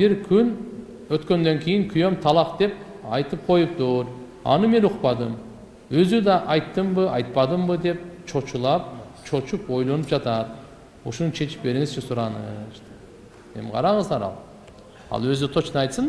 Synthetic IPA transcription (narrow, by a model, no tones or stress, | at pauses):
biɾkʲʰyn | øt̪kø̞nd̪øŋkʲʰejɪŋkʲʰyjømt̪ʰɑlˠɑqd̪e̞p̚ | ɑjt̪ɯp̚qʰo̞jup̚t̪uɾ | ɑ̰nɯme̞nuqpɑd̪ɯm | øzyd̪ɑʔɑjt̪ːɯmbɯɑjt̪̚pɑd̪ɯmbɯd̪e̞p̚t͡ʃʰo̞t͡ʃulˠɑp̚t͡ʃʰo̞t͡ʃupo̞jlˠo̞nupd͡ʒɑt̪ɑd̪ | uʃounut͡ʃʰe̞t͡ʃi̥p̚be̞ɾiŋɪzt͡ʃʰesuɾɑnɯ̰ʃ | ḛmqʰɑ̰ɾɑɴəzd̪ɑɾɑ̰lˠ | ɑ̰lˠwøzyt̪ʰot͡ʃnɑjt̪sɨn